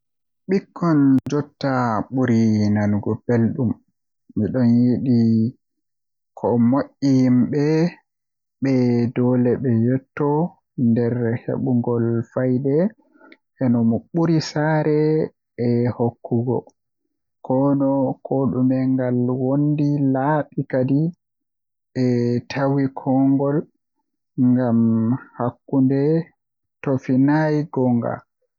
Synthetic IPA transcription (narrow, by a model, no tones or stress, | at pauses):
ɓikʰːɔnd͡ʒɔtːaɓuɾinanɡɔpelɗumː | iɗɔnjiɗi | kʰɔmoʔːijmɓɛ | ɓɛdɔlɛɓɛjɔtːɔ | ndɛɾhḛɓuŋɡɔlfajdɛ | ʔɛnɔmɔɓuɾisaːɾɛ | ɛhokʰːuɡɔ̰ | kʰɔnɔkʰɔɗumɛŋɡalwondilaɓikadi | ʔɛtʰawikʰɔŋɡɔl | ŋɡamhakːundɛ | tofinajɡɔŋɡa̰